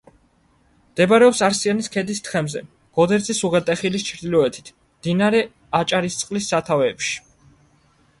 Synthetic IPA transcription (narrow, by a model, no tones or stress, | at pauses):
md̪̥ɛbaɾɛɔpsaɾsianiskʰɛd̪ist̪ʰχɛmzɛ̰ | ɡ̥ɔd̪ɛɾt̪sʰisuʁɛt̪ʼɛχilist͡ʃʰɾd̪ilɔɛt̪ʰi̥t̪ʰ | md̪̥inaɾɛ | at͡ʃʼaɾist̪sʼqʼlisːat̪ʰavɛːpʃi̥